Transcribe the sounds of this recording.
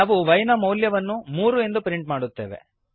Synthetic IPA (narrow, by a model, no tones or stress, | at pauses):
aːʋuʋɐjnɐmɐwljɐʋɐnːumuːɾue̞nd̪upɾiɳʈmaːɽut̪ːḛːʋḛ